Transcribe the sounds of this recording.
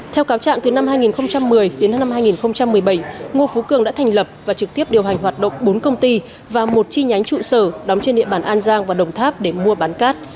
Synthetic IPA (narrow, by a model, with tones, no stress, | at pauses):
t̪ʰɛ˧wkaː˨˦wt͡ɕa̰ː˧˨ŋt̪ɨ˨˩na˧mhaː˧jŋi˨˩nxə˧wŋ͡mt͡ɕa˧mːɨ˨˩əjɗe˨˦na˧mhaː˧jŋi˨˩nxə˧wŋ͡mt͡ɕa˧mːɨ˨˩əjɓə˧˩jŋo˧˩fu˨˦kɨ˨˩əŋɗa̰ː˧˥t̪ʰŋ̟lə˨˩p̚vaː˨˩t͡ɕɨ˨˩k̚t̪i˦˥əp̚ɗi˨˩əwɦa˨˩ŋ̟ɦwaː˨˩t̚ɗə̰˧˨wŋ͡mɓo˨˦nkə˧wŋ͡mt̪i˧ | vaː˨˩mo˨˩t̚t͡ɕi˧ɲa˨˦jŋ̟t͡ɕṵ˧˨səː˧˩ɗa˨˦wŋ͡mt͡ɕe˧nɗḭ˧əɓaː˧˩nʔaː˧nzaː˧ŋvaː˨˩ɗə˨˩wŋ͡mt̪ʰaː˦˥p̚ɗe˧˩mu˧əɓaː˨˦nkaː˦˥t̚